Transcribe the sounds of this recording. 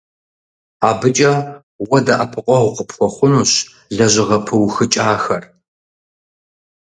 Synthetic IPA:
aːbɨt͡ʃʼɐ | wɐdɐʔɐpʰɨqʷʼɔʁʷʊqəpʰxʷɔχʷʊnuɕ | ɮɐʑɪʁɐpʰɨwxɨt͡ʃʼaːxɐr

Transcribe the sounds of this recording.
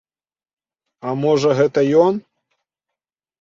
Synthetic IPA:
ɐmɔʐɐɣɛt̪ɐjɔn

